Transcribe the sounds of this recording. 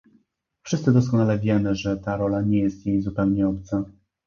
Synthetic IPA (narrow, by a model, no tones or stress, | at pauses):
fʂɘst̪sɘd̪ɔs̬kɔnalɛvʲjɛmɘʐɛt̪aɾɔlaɲɛjɛst̪jejzupɛwɲɛɔpt̪sa